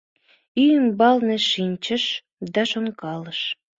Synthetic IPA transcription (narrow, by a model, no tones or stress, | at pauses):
yjəmbɑlnĕʃinʲt͡ɕəʃ | d̪ɑʃonkɑləʃ